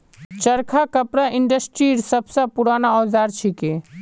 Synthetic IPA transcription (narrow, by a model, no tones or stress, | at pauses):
t͡ʃəɾkʰakɐpɾaʔɪɳɖəsʈɾiːɾsɐbsapʊɾaːnaɔːzaːɾt͡ʃʰike